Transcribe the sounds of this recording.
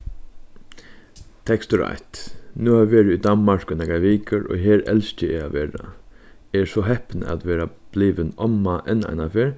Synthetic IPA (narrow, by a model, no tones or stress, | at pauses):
t̪ʰɛkst̪ʊɹa̰jt̪nuːhaːʋɪʋeːɾɪid̪anmaɹkʊnɛkaʋiːkəɾɔ̰ːɦeːɹɛ̰lst͡ʃɪɛaʋeːɾa̰ | ɛɹsɔɦɛhpnə̰æ̰t̪ʋeːɾab̥liːʋɪnɔmaʔɛna̰ɪnafeːɹ